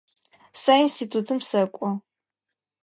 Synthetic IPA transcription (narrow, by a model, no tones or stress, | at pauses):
sainstʰitʰutʰɨmsɐkʷʼɔ